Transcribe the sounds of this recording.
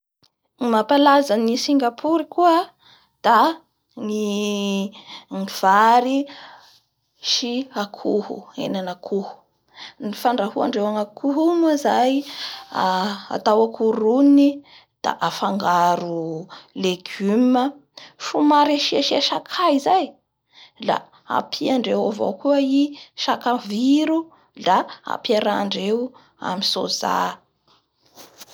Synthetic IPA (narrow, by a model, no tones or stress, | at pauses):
imapalazanisiŋɡapʰuɾikuə | d̪̥a | ni | ŋiv̥aɾi | ʃiakʰuhṵḛnanakʰuhu̥ | nifaɳɖ͡ʐahua̰ɳɖ͡ʐewaŋakʰuɦumazaj | a̰t̪awakʰuɾuni | d̪̥a̰ʔafaŋɡaɾuleɡyməfumaɾeʃiaʃaʃakʰaizaj | la̰ | a̰pʰiaɳɖ͡ʐewavo̰wkuəiʃakaviɾu | laa̰piaɾaːɳɖ͡ʐew | a̰miso̰za̰